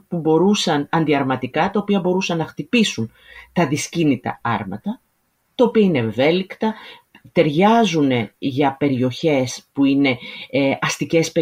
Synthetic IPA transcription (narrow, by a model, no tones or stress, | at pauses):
pubo̞ɾusɐnɐnd̪iɐɾmɐt̪ikɐt̪ɐopiɐbo̞ɾusɐnːɐxt̪ipisun | t̪ɐðiscinit̪ɐ̰ɐ̰ɾmɐ̰t̪ɐ | t̪ɐo̞piɐine̞ːve̞likt̪ɐ | t̪e̞ɾʝɐzune̞ʝɐpe̞ɾio̞çe̞spuine̞ɐst̪ice̞spe